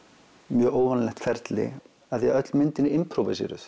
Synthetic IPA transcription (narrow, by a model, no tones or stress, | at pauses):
mjœːɣoːwvanlɛht̪fɛɾt̪lɪ̰ | aðjɛɣœt̪lmɪnt̪ɪnɪɪmpʰɾowvasɛ̰ːɾʏ̰θ